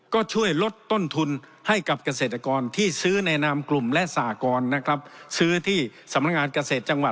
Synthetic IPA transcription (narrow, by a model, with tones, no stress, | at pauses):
kɔː˥˩t͡ɕʰu˥˩əjlo˦˥t̪ːo˥˩nt̪ʰu˧n | ha˥˩jka˨˩p̚ka˧s̬eː˨˩t̪ːa˧kɔː˧nt̪ʰiː˥˩sɯː˦˥nɛ˧naː˧mklu˨˩mlɛ˦˥ʔsaː˨˩˦kɔː˧nːa˦˥kʰa˦˥p̚sɯː˦˥t̪ʰiː˥˩sa˩˦mna˦˥k̚ŋaː˧nka˧seː˨˩t̪̚t͡ɕa˧ŋwa˨˩